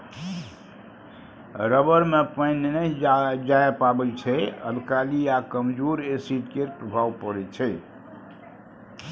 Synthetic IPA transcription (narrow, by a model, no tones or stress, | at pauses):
ɾəbəɾmepəjnenəid͡ʒajapabɛt͡ʃʰɛə̰lkaliakəmd͡ʒoɾesiʈkeɾpɾəbʱaʋpəɾɛt͡ʃʰɛ